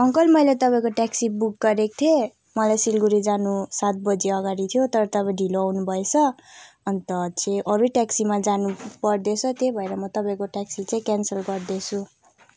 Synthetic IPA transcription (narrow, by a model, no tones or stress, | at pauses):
ʌŋkʌlmʌjlet̪ʌpaĩkoʈaksibuk̚ɡʌɾek̚t̪ʰie | mʌlajsilɡuɾid͡zanusat̪̚bʌd͡zeʌɡaɾit̪ʰijot̪ʌɾʌt̪ʌpãɖʱiloawnubʱʌet͡sʰʌ | ʌnt̪ʌt͡sẽʔʌɾuʈaksimad͡zanupʌrd̪et͡sʰʌt̪jebʱʌeɾʌmʌt̪ʌpãĩkoʈaksit͡sãĩkansʌlɡʌrd̪et͡sʰu